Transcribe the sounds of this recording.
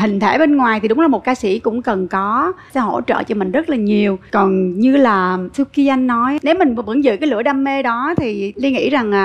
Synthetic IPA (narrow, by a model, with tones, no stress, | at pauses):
ɦï˨˩ŋ̟t̪ʰe˧˩ɓe˧nŋwaː˨˩jt̪i˨˩ɗʊ˨˦ŋ͡mlaː˨˩mo˨˩t̚kaː˧sḭ˧˩kʊ̰˧˥ŋ͡mkə˨˩nkɔ˨˦sɛ̰˧˥ɦo̰˧˥˩t͡ɕə̰ː˧˨t͡ɕɔ˧mï˨˩ŋ̟zə˦˥t̚laː˨˩ɲi˨˩əwkɔ˨˩nɲɨ˧laː˨˩t̪ʰɨ˧ki˧ʔa˧jŋ̟nɔ˨˦jne˨˦wmï˨˩ŋ̟˨və̰˧˩nzɨ̰ː˧˨kaː˨˦jlɨ̰˧˩əɗaː˧mːe˧ɗɔ˨˦t̪ʰi˨˩li˧ŋḭ˧˥za˨˩ŋː˨˩